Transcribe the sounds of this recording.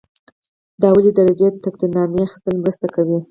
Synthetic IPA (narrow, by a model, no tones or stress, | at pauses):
d̪ɑwəled̪aɾad͡ʒed̪ət̪ak̚t̪inɑmeaxi̥st̪əlmɾəst̪akawi